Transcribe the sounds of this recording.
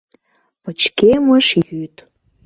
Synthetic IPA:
pət͡ɕkeməʃjyt̪

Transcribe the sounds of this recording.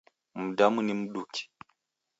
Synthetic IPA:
mudamunimuɗuki̥

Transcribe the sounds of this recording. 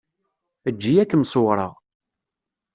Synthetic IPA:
əd͡ʒːijækːəmsowɾˤəʁ

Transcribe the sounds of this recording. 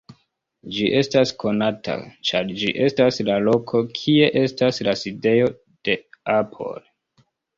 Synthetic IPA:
d͡ʒiʔe̞staskʰo̞natʰa̰t͡ʃaɾd͡ʒiʔe̞staslalo̞kʰo̞kʰie̞ʔe̞staslaside̞jo̞ | d̥e̞apʰo̞̰l

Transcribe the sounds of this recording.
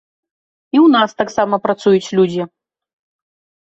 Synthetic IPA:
iwnast̪aksamɐpɾat̪sujut͡sʲlʲud͡zʲi

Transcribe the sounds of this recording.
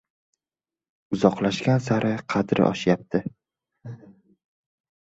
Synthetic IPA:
ʊzɒqlaʃkʲansaɾʔɪqʰɑd̪ɾɪ̰ʔɒ̰ʃjap̚t̪ʰɪ

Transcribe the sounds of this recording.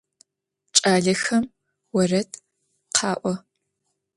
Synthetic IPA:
t͡ʃʼaːɮɐxɐm | wɐrɐtʰ | qʰɑːʔʷɔ

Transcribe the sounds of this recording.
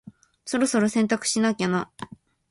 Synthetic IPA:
so̞ɾo̞so̞ɾosẽ̞nt̪akɯ̟̥ɕinakʲana

